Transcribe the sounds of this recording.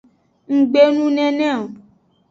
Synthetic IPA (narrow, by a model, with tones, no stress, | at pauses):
ŋ̩˨ɡ͡be˦nũ˦nɛ̃˦nɛ̃˦˨o˨